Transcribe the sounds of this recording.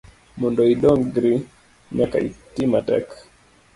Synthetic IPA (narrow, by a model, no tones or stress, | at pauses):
mɔndɔiɗɔŋɡɾi | mjaka̰ḭtimatɛ̰k